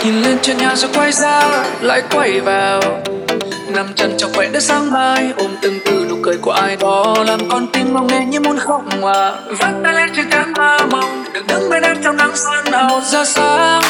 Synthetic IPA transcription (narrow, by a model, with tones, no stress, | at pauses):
ɲi˨˩nli˧ənt͡ɕwi˧˨ənɲaː˨˩zɔ˧˦kwa˧jzaː˧la̰ː˧˨jkwə˧˩jvaː˨˩w | na˨˧˩mt͡ɕə˧˩nt͡ɕɔ˧˩vɛ̰˧˨ɗɨ˦˧˥k̚saː˧ŋmaː˧jʔo˧˩mt̪ɨ˨˩ŋt̪ɨ˧˩ɗu˨˧˩kːəː˨˦jku˧˩əʔaː˧˩jɓɔ˨˦laː˨˩mkɔ˧nt̪i˧mma˨˩wŋɛ˧˩ɲɨ˧˦mo˧˩nxə˧˩wŋ͡mŋwaː˧˨ | və̰˧˥nt̪aː˧la˧˥t͡ɕɨ˧˩kaː˧˩˦ŋhaː˧˩ma˨˩wŋ͡mɗɨ˨˩k̚ɗɨ˨˦ŋmə˧˦jɗaː˧˥t̚t͡ɕa˧wŋ͡mna˨˦ŋsaː˧n˧o˨˩nzaː˧saː˨˧˦